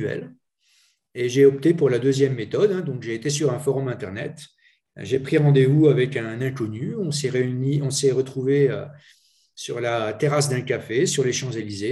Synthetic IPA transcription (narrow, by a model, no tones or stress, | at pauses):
ɛ̰l | eʒeɔp̚t̪epuʁlad̪øzjɛmːet̪ɔd̪ɛ̃d̪ɔ̃kʒeːt̪esyʁɛ̃fɔʁɔmɛ̃t̪ɛʁnɛ̰t̪ | ʒepχiʁɑ̃d̪evuavɛkɛ̃nɛ̃kɔnyɔ̃sɛʁeyniɔ̃sɛʁət̪χuveø̰ | syʁlat̪eʁas̬d̪ɛ̃kafesyʁleʃɑ̃zelize